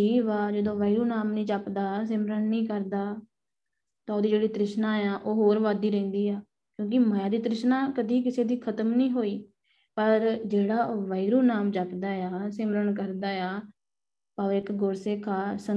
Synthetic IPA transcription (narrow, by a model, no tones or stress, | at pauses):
iːʋaːd͡ʒəd̪õːʋaːiɾuːnaːmnĩːt͡ʃəpd̪aːs̬ɪmɾəɳnĩːkəɾd̪aː | t̪ãːoːd̪iːd͡ʒeːɽiːt̪ɾɪʃnãːjãːʔoːɦoːɾʋaːd̪iːɾɛ̃ːnd̪iːɛː | kjõːk̬ɪməjaːd̪iːt̪ɾɪʃnãːkəd̪iːkɪseːd̪iːkʰət̪əmnĩːɦoːiː | pəɾd͡ʒeːɽaːoːʋaːiɾuːnaːmt͡ʃəpd̪aːjaːsɪmɾəɳkəɾd̪aːjaː | paːɪkɡoɾsekʰaːsə